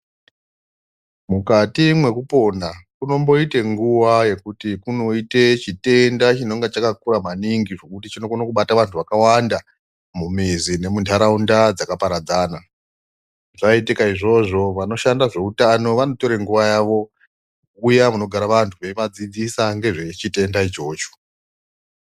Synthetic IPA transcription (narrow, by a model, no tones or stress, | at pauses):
mukatimwe̞kupo̞nakuno̞mbo̞ite̞ŋɡuʋaje̞kutikuno̞ite̞t͡ʃite̞ndat͡ʃino̞ŋɡat͡ʃakak̚uɾamaniŋɡiʐe̞kutit͡ʃino̞ɡonakuɓataʋantʰuʋakawanda | mumizine̞muntʰaɾaundad͡zakapaɾad͡zana | ʐaitikaiʐo̞ʐo̞ʋano̞ʃandaʐe̞utano̞ʋano̞to̞ɾeŋɡuʋajaʋo̞ | ujamuno̞ɡʱaɾaʋantʰuʋe̞ʋad͡zid͡zisaŋɡe̞ʐe̞t͡ʃite̞ndait͡ʃoːt͡ʃo̥